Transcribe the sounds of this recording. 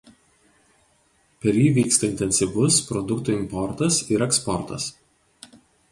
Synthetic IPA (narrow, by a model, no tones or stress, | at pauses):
pʲɛɾʲjiːʋʲiːkst̪ɐɪnʲt̪ʲɛnʲsʲɪʋʊspɾɔd̪ʊkt̪ʊɪmpɔɾt̪ɐsɪɾɛkspɔɾt̪ɐ̰s